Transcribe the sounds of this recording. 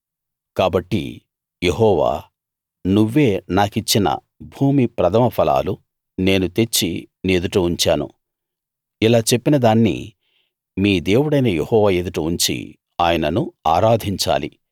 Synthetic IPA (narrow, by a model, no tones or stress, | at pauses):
kaːbɐʈːḭ | jeɦɔːʋa̰ː | nuʋːe̞ːnaːkit͡ʃːinɐ̰ | bʱuːmipɾɐd̪ʰʱɐmɐpʰɐla̰ːlu | ne̞ːnut̪e̞t͡ʃːined̪uʈuuɲt͡ʃaːnṵ | ilaːt͡ʃe̞pːinɐd̪aːnːḭ | miːd̪eːwuɽɐjnɐjehɔːʋaːe̞d̪uʈuuɲt͡ʃḭ | aːjɐnɐnuaːɾaːd̪ʱiɲt͡ʃa̰ːlḭ